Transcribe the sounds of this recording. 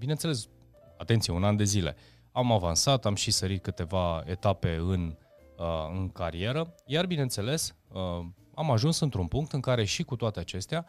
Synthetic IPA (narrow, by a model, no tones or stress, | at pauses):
bine̞nt̪sele̞s | at̪e̞nt̪sijeunand̪e̞zile̞̰ | amavansat̪amʃisəɾit̪̚kɨt̪e̞vae̞̰t̪ape̞ɨn | ɨŋkaɾie̞ɾəjarbinent̪se̞le̞sə | amaʒunsɨnt̪ɾunpuŋk̚t̪ɨŋkaɾe̞ʃikut̪oat̪e̞at͡ʃe̞st̪ea